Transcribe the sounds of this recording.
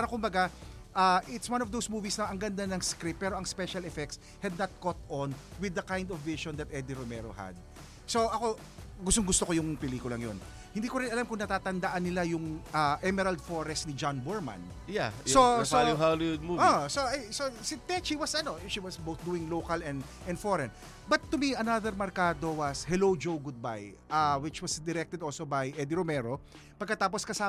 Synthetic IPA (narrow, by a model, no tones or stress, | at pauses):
paɾɐkʊmbɐɡa | ʔaʔɪt̪swɐ̃nɔvd̪owsmuːvisnɐʔɐŋɡɐnd̪anɐŋskɾɪppːɛːɾo̞ʔɐŋspɛʃɐlɛfɛk̚t̪s | hɛd̪̚nɐt̪̚kɔt̪onwɪd̪ːɐkãjnd̪ɔvːɪʃɔnd̪ɐt̪ʔɛd̪iɾomɛɾo̰ha̰d̪̚ | so̞ʔɐko̞ | ɡʊst̪oŋɡʊst̪okojʊŋpɛliːkʊlɐŋjo̰n | hɪ̃nd̪iːkoɾɪnɐlamkʊŋnɐt̪aːt̪ɐnd̪aʔɐnːɪlajʊŋʔaʔɛmɛɾɐld̪foɾɛst̪nɪd͡ʒanbɔɹmɐ̰̃n | jasosooɦaljod̪muosoʔajsosɪt̪ɛt͡ʃiwɐsɐno̞ʃiwɐsbowθ̚d̪uːɪŋlowkɐlɛ̃nd̪ | ʔɛ̃nd̪foɾɛn | bɐt̪ːʊmiɐnaðɛɾmɐɾkaːd̪o̞wɐshɛlod͡ʒowɡʊd̪̚ba̰j | ʔawɪt͡ʃwɐsd̪ɛɾɛk̚t̪ɛd̪ʔolsobɐjʔɛd̪iɾomɛɾo̞ | pɐɡkːɐt̪aːp̬oskɐsaː